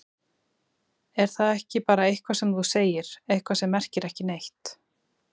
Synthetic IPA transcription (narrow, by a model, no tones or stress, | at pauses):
ɛɾ̥θaðɛhcɪpaːɾaejhkvasɛmθuseːjɪɾ̥ejhkvasɛmːɛr̥cɪɾɛhcɪnejht̪